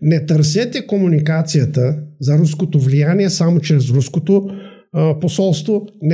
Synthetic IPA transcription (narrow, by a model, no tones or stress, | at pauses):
nɛt̪əɾs̬ɛt̪ɛkomunikat̪sijət̪əzɐɾuskot̪ovlijaniɛsamot͡ʃɾɛsɾuskot̪o | posɔlˠst̪vonɛ